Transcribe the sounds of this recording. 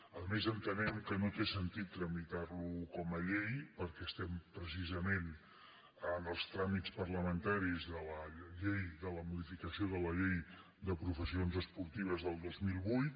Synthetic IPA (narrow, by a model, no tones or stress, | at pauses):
əðmezənt̪ənɛmkənot̪esənt̪it̪ːɾəmit̪aɾlukɔməʎejpəɾkɛəst̪ɛmpɾəsizəmen | ənəlˠst̪ɾamit͡spəɾləmənt̪aɾizðələʎejðələmuðifikəsioðələʎej | d̪əpɾufəsionzəspuɾt̪iβ̞əzðəlˠd̪ozmilˠβujt̪